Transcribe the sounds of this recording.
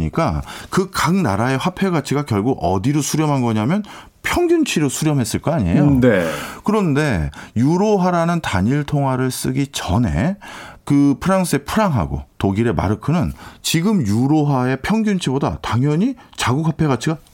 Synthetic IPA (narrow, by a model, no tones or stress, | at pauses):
ɲḭk͈akɯkaŋna̰ɾae̞ɸwapʰe̞ɡat͡ɕʰiɡakjʌɭɡuɡʌ̰diɾosʰuɾjʌmɦanɡʌɲamjʌn | pʰjʌŋɡʲjunt͡ɕʰiɾosʰuɾjʌmɦe̞s͈ɯɭk͈aaɲiḛjonekɯɾʌnde̞juɾoɦaɾanɯnta̰ɲiɭtʰoŋɦwaɾɯɭs͈ɯɡit͡ɕʌne̞̰kɯpʰɯɾaŋs͈ʰɯe̞pʰuɾaŋɦa̰ɡo̰toɡiɾe̞ma̰ɾɯkʰɯnɯnt͡ɕiɡɯmjuɾoɦaepʰjʌŋɡʲunt͡ɕʰiboda̰taŋɦjʌɲit͡ɕaɡuk̚hwapʰe̞ɣat͡ɕʰiɡa